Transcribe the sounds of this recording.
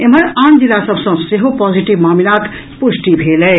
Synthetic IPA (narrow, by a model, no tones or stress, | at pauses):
em̤əɾand͡ʒilːasəbsə̃seɦopɔd͡ʒiʈibmamilat̪ | pusʈibʱelɛ